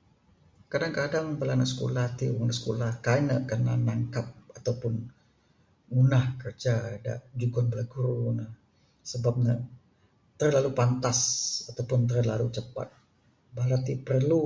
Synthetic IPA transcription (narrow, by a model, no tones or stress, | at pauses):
kadaŋkadaŋpəlanaʔsə̥ko̰laht̪iuŋnaʔsə̥kolahkajnəʔkənanaŋkap̚at̪awpʊn | unahkərd͡ʒada̰ʔd͡ʒuɡɔnbəlaɡuɾunə | səbap̚nə | t̪ərlalupant̪asat̪awpʊnt̪ərlalut͡ʃəpa̰t̪̚ | balat̪ipərlu